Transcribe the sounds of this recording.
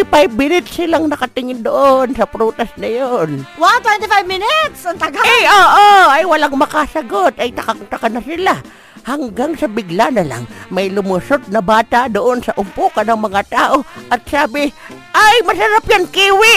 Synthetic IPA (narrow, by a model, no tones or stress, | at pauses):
ɪpajbmɪnɪt̪̚sɪlaŋnɐkɐt̪ɪŋɪnd̪oʔonsɐpɾut̪ɐsnɐjonwat̪wɛnt̪ɪfajvmɪnɪt̪sɐnt̪ɐɡaaoːʔoɐjwɐlaŋmɐkasɐɡot̪ɐjt̪ɐkat̪ɐkanɐsɪla | hɐŋɡaŋsɐbɪɡlanɐla̰ŋmɐjlʊmʊsot̪̚nɐbaːt̪aʔd̪oʔonsɐʔʊmpuːkɐnɐŋmɐŋat̪aːʔo̞ʔɐt̪̚saːbɪ | ʔajmɐsɐɾapjankiːwɪ